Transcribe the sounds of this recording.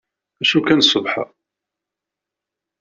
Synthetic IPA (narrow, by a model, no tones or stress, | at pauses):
æʃukænsˤəvħa̰